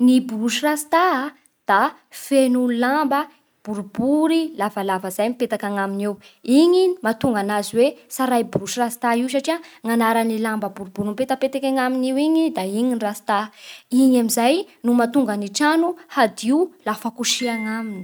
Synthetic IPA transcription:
nibuɾuʃirasi̥t̪a | d̪̥a | fenulambə | b̥uɾubuɾilavəlavəz̥ajmipet̪akaŋaminiwiɲimat̪uŋɡanaziwesaɾajbuɾuʃirasi̥t̪aiws̬aʈ͡ʂiaŋanaɾanilambəbuɾubuɾimipet̪əpet̪ekʲaŋaminiwiɲid̪aiɲinrasi̥t̪aiɲamizajnumat̪uŋɡaniʈ͡ʂanuhad̪iulafakuʃiaŋamini̥

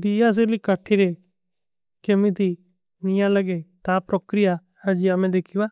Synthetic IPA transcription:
d̪ijas̬elikaʈʰːiɾe | kemĩt̪i | nɪjãlɐɡet̪apɾokɾɪja | had͡ʒiamɛ̃d̪eːkʰiʋa

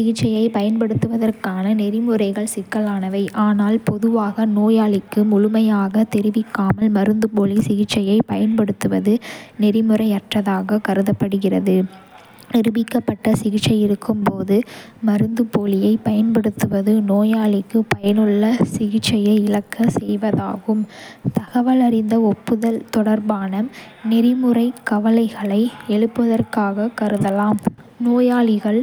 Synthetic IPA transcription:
sɪɣɪʈt͡ʃːɐjɐɪpɐjɐnpɐɽɯt̪ːɯʋɐðɐrkaːnɐnɪrɪmɯɾɐɪɣɐɭsɪkːɐlaːnɐʋɐɪʔaːnaːlpɔðɯʋaːɣɐnoːjaːlɪkːɯmʊɻʊmɐjaːɣɐt̪ɛɾɪʋɪkːaːmɐlmɐɾɯnd̪ɯpoːlisɪɣɪʈt͡ʃːɐjɐɪpɐjɐnpɐɽɯt̪ːɯʋɐðɯnɛɾɪmɯɾɐɪɐʈrɐðaːɣɐkɐɾɯðɐpːɐɽɯɣɪrɐðɯ | nɛɾɯʋɪkːɐpːɐʈːɐsɪɣɪt͡ʃːɐɪɪɾɯkʰːɯmpoːðɯ | mɐɾɯnd̪ɯpoːlɪjɐɪpɐjɐnpɐɽɯt̪ːɯʋɐðɯnoːjaːɭɪkːɯpɐjɐnɯɭːɐsɪɣɪt͡ʃːɐjɐɪlɐkːɐsɛjʋɐðaːɣɯmt̪ɐɣɐʋɐlɐɾɪnd̪ɐɔpːɯðɐlt̪ɔɽɐɾbaːnɐm | nɪɾɪmɯrɐɪkːɐʋɐlɐɪɣɐɭɐɪɛɭɯpːɐðɐrkaːɣɐkɐɾɯðɐlaːm | noːjaːɭɪɣɐɭ

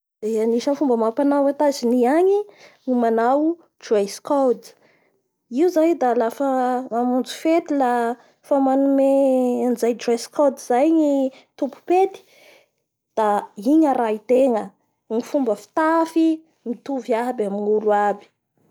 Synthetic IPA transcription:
d̪̥eaniʃənfumbəmapanawat̪aziniaɲiŋimanaw | d͡ʒaskowd̪ | iwzajd̪alafəŋamund͡zu̥fet̪ila | famanumeanid͡zajd͡ʒraskod̪zajɲi | t̪upu̥pet̪i̥ | d̪̥aiɲaɾait̪eŋə | ŋifumbəfi̥t̪afi | mit̪uviabaminuluabi̥

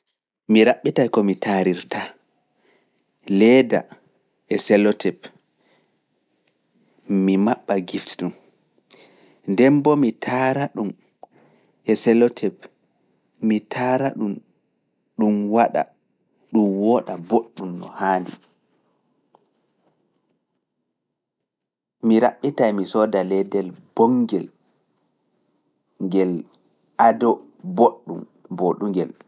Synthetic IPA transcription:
miɾaɓːitajkɔmitaɾiɾtʰa | lɛːda̰ | ɛsɛlɔtʰɛp | mimaɓːaɡiftɗum | ndɛmbɔmitʰaːɾaɗum | ɛsɛlɔtʰɛp | mitʰaːɾaɗum | ɗumwaɗa̰ | ɗumwɔːɗaboɗːumnɔ̰haːndḭ | miɾaɓːitajmisɔːdalɛdɛlbɔŋɡɛl | ŋɡɛl | ʔadɔ | boɗːum | boɗuŋɡɛl

